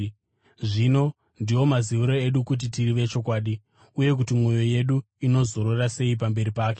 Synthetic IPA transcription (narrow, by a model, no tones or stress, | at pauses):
ʐino̞ | ndiwo̞maziʋiɾo̞e̞ɗukut̬itiriʋe̞t͡ʃo̞kwaːɗi | uje̞k̬utimwo̞jo̞je̞ɗu | ino̞zo̞ɾorase̞ip̬ambe̞ɾipaːke̞